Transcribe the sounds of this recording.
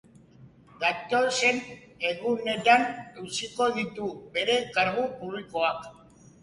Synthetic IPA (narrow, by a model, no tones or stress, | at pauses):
d̪at̪o̞se̞n | e̞ɣune̞t̪anuwsiko̞ðit̪ube̞ɾe̞kaɾɣupuβliko̞ak